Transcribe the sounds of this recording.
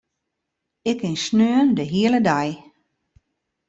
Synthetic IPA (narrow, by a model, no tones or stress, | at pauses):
ɪkɪnsnøəndəɦiələdaj